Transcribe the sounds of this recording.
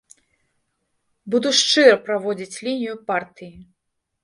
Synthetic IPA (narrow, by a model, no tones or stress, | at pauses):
bud̪uʂt͡ʂɨɾɐpɾavɔd͡zʲit͡sʲlʲinʲijupart̪ɨji